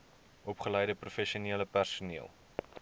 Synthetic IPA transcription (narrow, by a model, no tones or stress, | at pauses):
ʔɔpχəlɛjdəprufɛʃiuniələpærsuniəlˠ